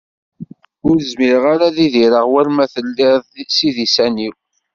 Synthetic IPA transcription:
ʊɾəzmiɾʁaɾaðiðiɾəʁwæɾmæθəlːɪðˤsiðisæniw

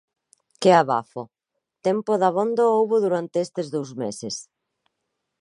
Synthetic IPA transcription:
keaβa̰fo | t̪ɛmpoðaβond̪aowβoðuɾant̪eest̪ezðowzmeses

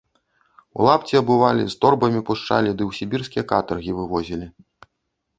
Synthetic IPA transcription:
ṵlˠapt͡sʲiɐbɨvalʲḭst̪ɔrbɐmʲipuʂt͡ʂa̰lʲid̪ɨwsʲibʲirskʲijɐkat̪ɐrɣʲivɨvɔzʲilʲi

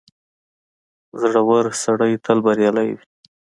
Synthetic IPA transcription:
zaɽawaɾsaɽajt̪ʰəlbaɾjɑlajwi

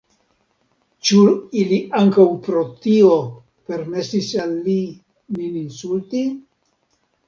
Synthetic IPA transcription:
t͡ʃuiliaŋkawpɾo̞t̪io | pe̞ɾme̞sisalːi | mininsulti

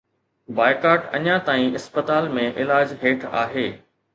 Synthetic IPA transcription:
baːɪkaːʈɐ̰ɲãt̪aːĩɪspət̪aːlmẽʔɪlaːd͡ʑɦeːʈʰa̰ːɦeː

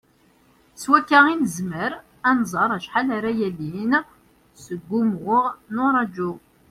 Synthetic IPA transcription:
swækːaʁinəzməɾ | ænzˤɑɾˤæʃħalaɾæjælin | səɡʷːumʊʁnʊɾˤɑd͡ʒu

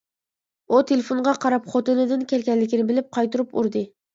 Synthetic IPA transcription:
ut̪ʰelefoɴʁɑqʰɑɾɑpχot̪ɨnɨd̪ɪnkʲælkʲɛnlːɪkʲɪnɪbɪlɪp̚qʰɑjt̪uɾupuɾd̪ɨ

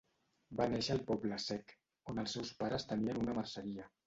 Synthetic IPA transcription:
baneʃəːlˠpɔbləsɛk | onəlˠsːɛwspaɾəst̪əniənunəmarsəɾiə

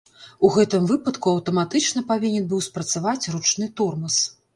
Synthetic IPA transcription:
uɣɛt̪ɨmvɨpɐt̪kuɐwt̪ɐmat̪ɨt͡ʂnɐpavʲinʲɛnbɨwspɾɐt̪savat͡sʲrut͡ʂnɨt̪ɔrmɐs

